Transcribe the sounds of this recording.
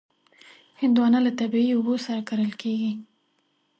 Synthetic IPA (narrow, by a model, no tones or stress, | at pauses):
hɪnd̪wɑnalat̪abiiʊbosaɾakaɾəlkeɡi